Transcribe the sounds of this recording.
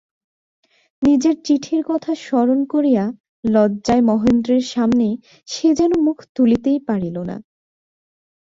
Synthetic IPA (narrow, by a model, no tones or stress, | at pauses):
nid͡ʑeɾt͡ɕiʈʰiɾkɔt̪ʰaʃɔɾonkoɾija | lɔdd͡ʑaemɔɦend̪ɾeɾʃamne | ʃed͡ʑɛnomukʰt̪ulit̪ejpaɽilona̰